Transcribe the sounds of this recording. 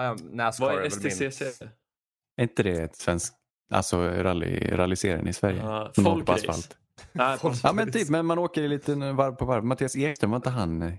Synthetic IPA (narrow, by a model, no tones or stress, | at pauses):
næsɛses | ɛɾɪnt̪əd̪ɛt̪svɛnsk | a̰lsɔɾa̰lɪ̰ɾa̰lɪsḛːɾə̰nɪsvæɾjə̰sɔmoːkəpʰɔasfa̰lt̪ | ʔɑːmɛnt̪ʰyːpmɛnmanoːkəɾɪliːt̪əvaɾvpʰɔvaɾvmat̪ʰiːaseːkst̪ʰənvaɾɪnt̪əɦan